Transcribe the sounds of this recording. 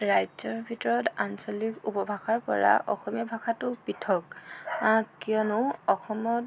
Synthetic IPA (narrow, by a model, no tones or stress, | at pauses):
ɹajzɔɹbʱitɔɹɔtansɔlikupɔbʱaxaɹpɔ̰ɹa̰ʔɔ̰xɔmijabʱaxatʊpitʰɔkakijɔnʊɔxɔmɔt̚